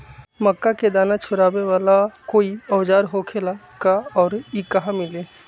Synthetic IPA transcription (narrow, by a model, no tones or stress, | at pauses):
məkːaked̪aːnat͡ʃʰʊɾaːbeʋaːlakoːiɔːd͡ʒaːɾɦokʰeːla | kaɔːɾikəɦamɪleː